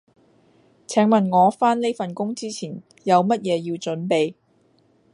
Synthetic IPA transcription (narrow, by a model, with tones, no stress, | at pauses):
t͡sʰɛː˨˥ŋmɐ˨˩nŋɔː˨˧faː˥nle˥jfɐ˨nkʊ˥ŋt͡siː˥t͡sʰiː˨˩n | jɐ˨˧wmɐ˥t̚jɛː˨˧ji˧wt͡ʃɵ˨˥npe˨j